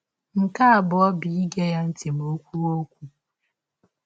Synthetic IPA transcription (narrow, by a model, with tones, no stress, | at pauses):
ŋ̩˨ka˦a˨bʊ˨ɔ˦bi˨i˦ɡe˦ja˦n̩˦ti˨m˨o˦kʷu˦ɾo˦kʷu˨